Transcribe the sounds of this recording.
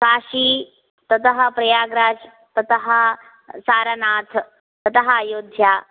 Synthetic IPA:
saːɕi | t̪ɐt̪əɦɐ̆pɾɐjaːɡɾaːd͡ʒ | t̪ɐt̪əɦɐ | saːɾɐnaːt̪ʰ | t̪ɐt̪ɐɦɐjoːd̪ʱjaː

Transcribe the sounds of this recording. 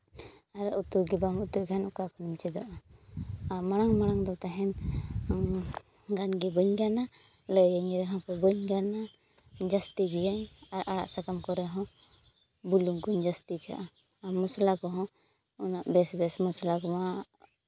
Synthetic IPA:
aɾaʔut̪uɡɛbamut̪ukanɔkakɔnumt͡ʃɛd̪ɔʔa | amaɽ̃aŋmaɽ̃aŋd̪ɔt̪aɦɛn | ɡanɡɛbəɲɡana | ləjaɲɾɛɦɔ̃kɔbəɲɡana | d͡ʒast̪iɡijaɲaɾʔaɽa̰ʔsakamkɔɾɛɦɔ̃ | buluŋɡuɲd͡ʒast̪ika̰ʔa | aɾmɔslakɔɦɔ̃ | ɔnaʔbɛsbɛsmɔslakɔma

